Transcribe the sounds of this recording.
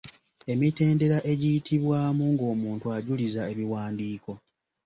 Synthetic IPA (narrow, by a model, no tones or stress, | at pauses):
e̞mite̞ːnde̞ɾaʔe̞ɟijitʰiβwaːmuŋɡo̞ːmuːntuaɟulizae̞βiwaːndiːko̞